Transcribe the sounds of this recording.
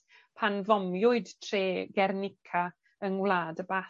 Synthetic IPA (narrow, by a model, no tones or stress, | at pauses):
pʰanvɔmjʊɨdtʰreːɡɛrnɪkʰa | ənwlˠaːdəbaː